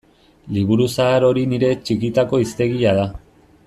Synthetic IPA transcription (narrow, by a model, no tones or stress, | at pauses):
liβ̞uɾusaːɾo̞ɾiniɾe̞t͡ʃikit̪ako̞ist̪e̞ɣiʎað̞a